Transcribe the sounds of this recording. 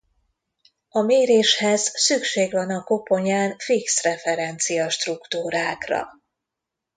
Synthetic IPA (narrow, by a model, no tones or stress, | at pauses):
ɒmeːɾeːʃhɛzsykʃeːɡvɒnɒko̞po̞ɲaːnfiksrɛfɛɾɛnt̪sijɒʃt̪rukt̪uːɾaːkrɒ̰